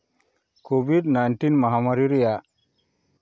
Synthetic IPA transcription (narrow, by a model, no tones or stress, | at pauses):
kobʱiɖnajnʈinmaɦamaɾiɾija